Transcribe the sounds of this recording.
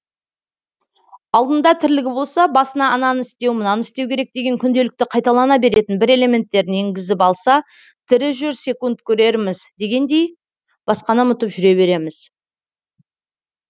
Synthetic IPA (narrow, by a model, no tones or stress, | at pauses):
ɑlˠd̪ənd̪ɑt̪ʰɪɾlɪɡʲɪbo̞lˠsɑbɑsənɑʔɑnɑnəɪst̪e̞wmʊnɑnɪst̪e̞wkʲe̞ɾe̞k̚d̪e̞ɡʲe̞ŋkʲʰʏnd̪e̞lɪk̚t̪ɪqʰɑjt̪ɑlˠɑnɑbe̞ɾe̞t̪ɪnbɪɾe̞le̞mʲe̞nt̪ːe̞ɾd̪ɪneŋɡʲɪzɪpɑlˠsɑ | t̪ʰɪɾɪʒʏɾse̞kunt̪kʲʰɵɾe̞ɾmɪzd̪e̞ɡʲe̞nd̪e̞j | b̥ɑsqɑnəmʊt̪əpʒʏɾe̞βe̞ɾe̞mɪz̥